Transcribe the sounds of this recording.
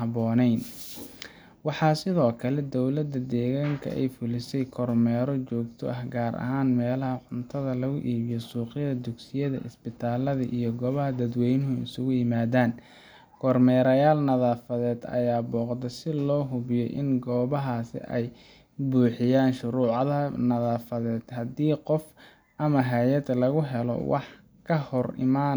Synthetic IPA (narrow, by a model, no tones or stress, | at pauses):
hɑβɔːnɛjn | wɑħɑːsɪðɔːkʰɐlɛd̪ɔwlɐd̪ːɐd̪ɛːɣaːŋkʰɐ̰ʔɛ̰jfʊlɪsɛjkʰɔrmɛːɾɔt͡ʃɔːɡt̪ʰɔ̰ʔɐhɡaːɾʔɐ̰ɦaːnmɛːlɐɦɐʕʊnt̪ʰɐðɐlɐɣʊʔiːβɪjɔsuːqɪjɐðɐd̪ʊɡsɪjɐðɐ̰ʔɪ̰sbɪt̪ʰaːlɐðɐ̰ʔijɞɡɔːβɐɦɐd̪ɐd̪wɛjnɦʊɪ̰sʊɣʊjɪmaːðaːn | ɡ̥ɔrmɛːɾɐjaːlnɐðaːfɐðɛːd̪ɐ̰jaːbɔːqd̪ɛsɪlɔːɦʊβɪjɔ̰ʔɪ̰ŋɡɔːβɐɦaːsɪ̰ʔɛj | buːħɪjaːnʃʊɾuːʕðɐnɐðaːfɐðɛːd̪̥hɐd̪iːqɔf | ʔɐmɐɦɛjɐd̪lɐɣʊɦɛlɔ̰wɑ̰ħ | kʰɐhɔrɪ̰maː